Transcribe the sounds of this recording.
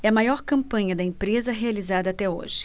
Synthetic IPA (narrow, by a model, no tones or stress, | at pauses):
ɛɐmajɔɾkɐ̃mpɐ̃ɲɐd̪ɐẽmpɾezɐɦealizad̪ɐaːt̪ɛo̰ʒɪ̥